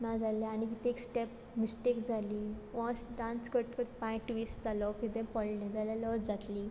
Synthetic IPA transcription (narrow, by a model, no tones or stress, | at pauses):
nad͡zalaañik̬it̪ẽeksʈep | misʈekd͡zʱaliːʋɔ̃sɖãnskəɾt̪kəɾt̪pãʈʋisd͡zalɔkit̪ẽpəɽlẽd͡zaljalɔd͡zd͡zat̪li